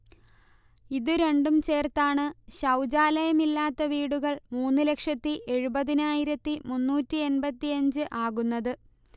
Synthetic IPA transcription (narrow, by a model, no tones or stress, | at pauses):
iðɨɾe̞ɳɖumt͡ɕe̞ːrt̪aːɳɨɕɐwd͡ʑaːlɐjɐmilːaːt̪ːɐʋiːɽuɣɐɭmuːnːɨle̞kʂɐt̪ːiʔe̞ɻubɐðinaːjiɾɐt̪ːimunːuːtːie̞nbɐt̪ːiɐɲd͡ʑɨʔaːɣunːɐðɨ